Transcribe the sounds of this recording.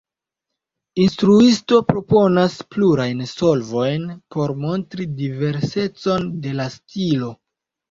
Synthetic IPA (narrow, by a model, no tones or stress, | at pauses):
instɾuisto̞pɾo̞po̞naspluɾajnso̞lvo̞jnpo̞ɾmo̞ntɾidive̞ɾse̞t͡so̞nde̞lastilo̞